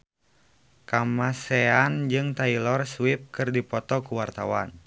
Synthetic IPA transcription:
kamasɛand͡ʒɨŋt̪ailɔrswip̚kɨrdipɔt̪ɔkuwart̪a̰wan

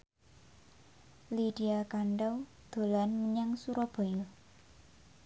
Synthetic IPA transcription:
liɖ̥iakaɳɖaw | d̪̥o̤lanməɲaŋsuɾɔb̥ɔ̤jul

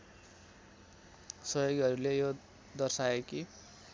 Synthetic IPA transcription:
sʌjoɡʌɾulejo | d̪ʌrsaeki

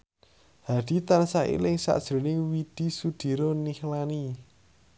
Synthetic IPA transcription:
had̪̥i̤t̪ansaʔḭlɪŋsa̰ʔd̥ʒ̥ɾo̤lɪŋwid̪̥i̤sud̪̥i̤ɾonihlani

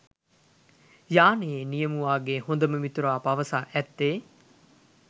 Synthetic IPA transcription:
jaːneːnijɐmuʋaːɡehond̪ɐməmit̪uɾaːpɐʋɐsaːʔɛt̪ːeː

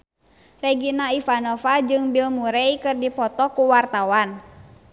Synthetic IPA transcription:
rɛɡinaifanɔfad͡ʒɨŋbilmuɾɛikɨrdipɔt̪ɔkuwart̪awan

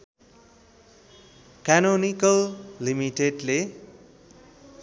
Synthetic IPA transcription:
kanonikallimiʈeɖle

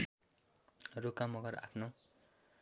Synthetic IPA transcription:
rokːamʌɡʌra̰pʰno

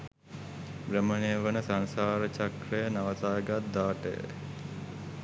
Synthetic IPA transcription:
bɾəməneʋənəsansaːɾət͡ʃakrəjənaʋət̪aːɡat̪̚d̪aːʈə̰jə̰

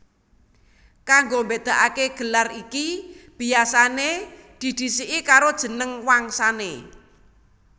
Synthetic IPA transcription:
kaŋɡombed̪̥a̤ʔakeɡ̥ə̤larikib̥iasaned̪̥i̤d̪̥i̤siʔikaɾod̥ʒ̥ə̤nəŋwaŋsanḛ

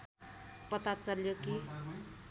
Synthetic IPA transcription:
pʌt̪at͡sʌljoki

